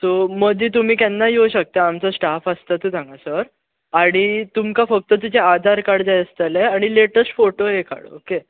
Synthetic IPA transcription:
t̪oməɡd͡ʑ̪iːt̪̬um̤iːkanːaɦiɦoɕək̚t̪aːmt͡səsʈafəst̪at̪uːt̪ʰãŋɡasəɾ | aɽ̃it̪umkafək̚t̪ət̪̬ud͡ʑead̪ʱaɾkaɽd͡zajəst̪əleaɽ̃ileʈəsʈfoʈoɦeka̰ɽə̰oke

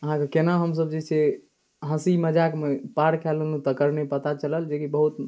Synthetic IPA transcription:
əɦãkekenaɦəms̬əbd͡ʒesʰe | ɦə̃siməd͡ʒakmepaɾkʰɛlənũt̪əkəɾnepət̪at͡ʃələld͡ʒekibəɦut̪

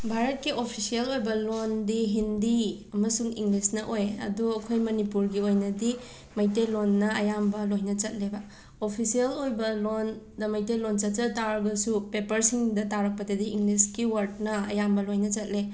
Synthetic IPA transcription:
bʱaɾɐt̚kiʔopʰisiɐlojbɐlondiɦindiɐmɐsuŋiŋlisnɐʔojɐ̰duɐkʰojmɐnipuɾɡiojnɐdi | mɐjtelonːɐɐjambɐlojnɐt͡ʃɐt̚lebɐ | opʰisiɐlojbɐlon | dɐmɐjtelont͡ʃɐt̚t͡ʃɐtaɾbɐsupepɐɾsiŋdɐtaɾɐk̚pɐdɐdiiŋɡliskiwaɾt̚nɐɐ̰jambɐlojnɐt͡ʃɐt̚le

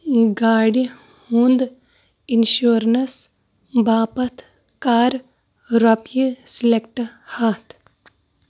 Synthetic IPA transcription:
ɡaːɽi | hund̪ | inʃuːɾnɐs | baːpɐt̪ʰ | kaːɾ | ɾɐpjisilekʈɐhaːt̪ʰ

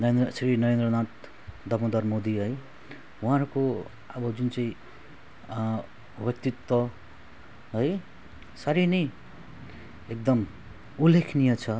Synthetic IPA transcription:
nʌɾend̪rʌsrinʌɾend̪rʌnaʈ̚ | d̪ʌmʌd̪armod̪iɦʌj | wɦãɾuko | ʌbʌd͡zunt͡saĩ | bjʌk̚t̪it̪wʌ | ɦʌj | saɾinʌj | ek̚d̪ʌm | ulːekʰnijʌt͡sʰʌ

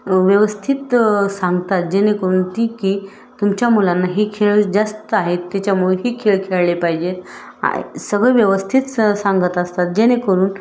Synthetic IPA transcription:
ʋjəʋəst̪ʰit̪sãŋɡt̪at̪̚d͡ʑenekəɾuːnt̪iːkiː | t̪umt͡ɕjamulanːaɦikʰeɭd͡zast̪əaɦet̪ːat͡ɕjamuɭeɦiːkʰeɭkʰeɭlepaɦid͡ʑet̪ | a̰səɡɭeʋjəʋəst̪ʰit̪sãŋɡət̪əst̪at̪̚d͡ʑenekəɾuːn

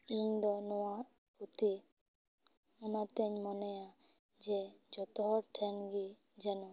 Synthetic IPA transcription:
iɲd̪ɔnɔwa | ut̪i | ɔnat̪ɛɲmɔnɛja | d͡ʒed͡ʒɔt̪ɔɦɔɾʈʰɛnɡi | d͡ʒɛnɔ

